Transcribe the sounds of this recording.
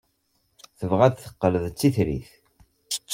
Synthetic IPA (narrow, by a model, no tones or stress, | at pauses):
θəvʁæðθə̥qːələðt͡sːiθɾḭθ